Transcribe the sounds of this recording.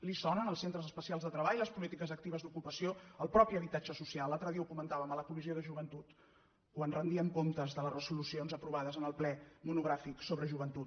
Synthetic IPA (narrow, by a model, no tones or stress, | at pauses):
lisɔnənəlˠsent̪ɾəzəspəsialˠzðət̪ɾəβ̞aʎləspulit̪ikəzək̚t̪iβəzd̪ukupəsioəlˠpɾɔpiəβit̪ad͡ʒəsusiallalˠt̪ɾəðiəukumənt̪aβəmələkumizioðəʒuβənt̪ut̪ | kwanrənd̪iəmkomt̪əzðələrəsulusionzəpɾuβaðəzənəlˠplɛmunuɣ̞ɾafiksoβɾəʒuβ̞ənt̪ut̪